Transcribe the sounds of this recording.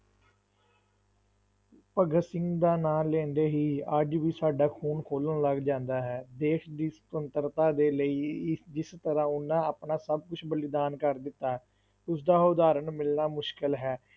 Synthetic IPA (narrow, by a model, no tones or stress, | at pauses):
pəɡəsɪ̃ŋɡd̪aːnãːlẽːnd̪eːɦiːəd͡ʒʋiːsaːɖaːkʰuːnkʰoːlənləɡd͡ʒãːnd̪aːɦɛːd̪eːʃd̪iːsə̥t̪ənt̪əɾt̪aːd̪eːləiːd͡ʒɪst̪əɾãːʊnːãːaːpnãːsəb̚kʊt͡ʃʰbəlɪd̪aːnkəɾd̪ɪt̪ːaː | ʊsd̪aːʊd̪aːɾənmɪlnaːmʊʃkɪlɦɛː